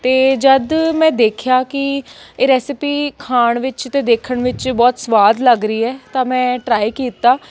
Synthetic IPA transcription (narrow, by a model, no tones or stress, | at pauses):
t̪eːd͡ʒəd̪mɛ̃ːd̪eːkʰɪjaːkɪeːɾɛːsɪpiːkʰaːɳʋɪt͡ʃt̪eːd̪eːkʰəɳʋɪt͡ʃbɔːt̪sʋaːd̪ləɡɾəiːɛːt̪ãːmɛ̃ːʈɾaːiːkiːt̪aː